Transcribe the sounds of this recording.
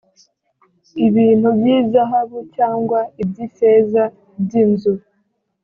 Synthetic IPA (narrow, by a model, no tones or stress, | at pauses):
iβiːn̥hubjiːzaɦaβucaːŋɡwaibɟiseːza | bɟiːnzuɾ